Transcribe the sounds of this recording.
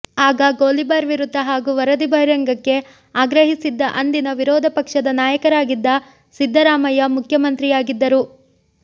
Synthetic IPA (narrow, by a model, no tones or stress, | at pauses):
aːɡɐɡoːlibaːɾʋiɾut̪ːɐɦaːɡuʋɐɾɐd̪ibʱɐjɾɐŋɡɐkːe̞ | aːɡɾɐɦisid̪ːɐʔɐnd̪inɐʋiɾɔːd̪ʱɐpɐkʂɐd̪ɐnaːjɐkɐɾaːɡid̪ːɐ | sid̪ʱːɐɾaːmɐjɐmukʰjɐmɐnt̪ɾijaːɡid̪ːɐɾu